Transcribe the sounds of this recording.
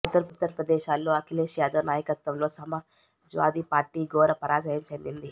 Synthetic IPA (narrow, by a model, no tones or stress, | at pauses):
ut̪ːɐɾut̪ːɐɾɐpɾɐd̪eːʃaːlːoːɐkʰileːʃjaːd̪ɐʋnaːjɐkɐt̪ʋɐmloːsɐmɐ | d͡ʒʋa̰ːd̪iːpaːɾʈiːɡoːɾɐpɐɾaːd͡ʒɐjɐmt͡ʃend̪ind̪i